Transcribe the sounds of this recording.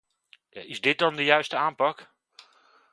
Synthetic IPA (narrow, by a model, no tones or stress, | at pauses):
ja̰ɪzdɪt̚dɔndəjœɥstəaːnpɑk